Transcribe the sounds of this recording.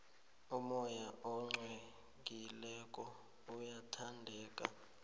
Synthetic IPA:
umɔjaʔɔŋ͡ǀwe | k̬ilɛkʼɔ | ujatʰandʱɛːkʼa̰

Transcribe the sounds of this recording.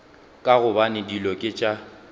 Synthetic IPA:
kʼaɣʊbanɪdilɔkʼɪt͡ʃʼa

